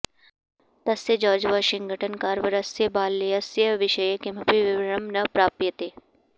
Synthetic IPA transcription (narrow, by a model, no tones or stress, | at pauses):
t̪ɐsed͡ʒɔːd͡ʒʋaʃɪŋɡʱəʈʰənkaːɾʋɐɾɐsjebaːlːeɐsjɐʋɪʃəjekɪmɐpiʋɪʋɾɐmnɐpɾaːppjət̪eː